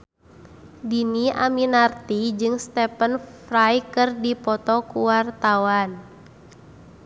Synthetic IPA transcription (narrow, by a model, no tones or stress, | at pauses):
diniaminart̪id͡ʒɨŋst̪ɛpənfrajkɨrdipɔt̪ɔkuwart̪awan